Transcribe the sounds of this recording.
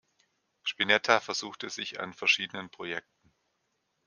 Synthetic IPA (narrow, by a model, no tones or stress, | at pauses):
ʃpinɛtʰafɛɐzuːxtəzɪça̰nfɛɐʃiːdənənpʁ̥ojɛk̚tn̩